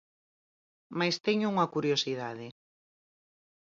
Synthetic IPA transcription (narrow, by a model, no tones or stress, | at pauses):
majst̪ɛɲʊuŋɐkuɾjosiðaðɪ